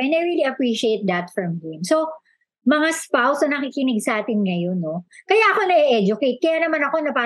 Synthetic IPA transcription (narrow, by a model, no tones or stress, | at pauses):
ɛnɐjɹiliɐpɹiʃiejt̪̚d̪ɐt̪fɹɐmhɪmso | mɐŋaspawsonɐkikɪnɪɡsɐʔaːt̪ɪnŋɐjo̞nːo̞kɐjaʔɐkonɐʔɛʔɛd͡ʒʊkejt̪̚kɐjanɐmanɐko̞nɐpaː